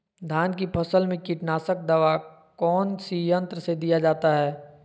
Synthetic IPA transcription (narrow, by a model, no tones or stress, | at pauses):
d̪ʱaːnk̬ipʰəsəlmẽkiʈnaːsək̚d̪əʋa | kɔːnsijə̃nt̪ɾəsed̪ijad͡ʒaːt̪aɦɛː